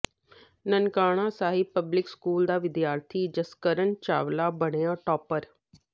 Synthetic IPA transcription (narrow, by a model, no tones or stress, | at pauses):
nənkaːɽ̃ãːsaːɦɪpəblɪkskuːld̪aːʋɪd̪jaːɾt̪ʰiːd͡ʒəskəɾəɳt͡ʃa̰ːʋlaːbəɽ̃ejãːʈɔːpəɾ